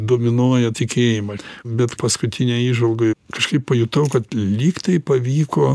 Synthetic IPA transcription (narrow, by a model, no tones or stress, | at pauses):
d̪oːmʲɪnoɔjɛt̪ʲɪkʲeːjɪmɐbʲɛt̪pɐskʊt̪ʲɪnʲɛiːʒʋɐlˠɡɐɪkɐʃkɐɪppɐjʊt̪ɐʊkɐt̪lʲiːkt̪ɐɪpɐʋʲiːkoː